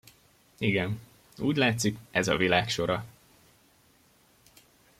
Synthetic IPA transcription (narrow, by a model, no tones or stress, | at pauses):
iɡɛn | uːɟlaːt̪sikɛzɒ̰vilaːkʃo̞ɾɒ